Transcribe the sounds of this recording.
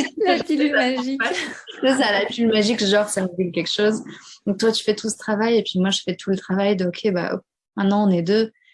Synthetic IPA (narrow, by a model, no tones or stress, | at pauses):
lapilaʒiakəs̬alapylmaʒikʒɑ̃ʁsaʁeɡʲylkʲɛkʃozd̪ɔ̃k̚t̪wat̪y̥fɛt̪usə̥t̪χavajepɥimwaʒəfɛt̪ʰulət̪χavajd̪əokʲʰeba̰ʔ | mɛ̃nɑ̃ɔ̃nɛd̪ø